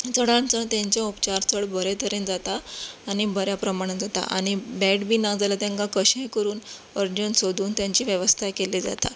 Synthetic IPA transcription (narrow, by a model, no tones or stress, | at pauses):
t͡səɽãnt͡sənt̪jãɲt͡ɕjãupt͡ɕaɾt͡səɽbəɾet̪ʰəɾẽnd͡zat̪aːñibəɾjapɾəmaɽ̃ənd͡zat̪a̰ʔa̰ɽ̃ibɛʈbʱiːnad͡zalat̪ãŋkãkəɕekəɾuːn | əɾd͡ʑənsod̪ʱuːnt̪jãɲt͡ɕiːʋjəʋəst̪ʰakelid͡za̰t̪a̰